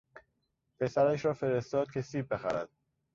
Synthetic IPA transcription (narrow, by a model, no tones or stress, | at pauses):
pʰe̞sæɾæʃ̬ɾɒːfe̞ɾest̪ɒːd̪̚kcʰe̞siːb̚be̞xæ̰ɾæ̰d̪̥